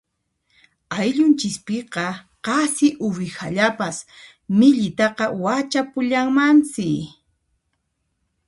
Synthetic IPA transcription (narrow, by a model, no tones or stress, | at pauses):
ajʎʊnt͡ʃɪspɪqɑ | qɑsɪʔʊwɪxaʎapas | mɪʎɪt̪ɑqɑwat͡ʃapʊʎaŋmant͡sɪ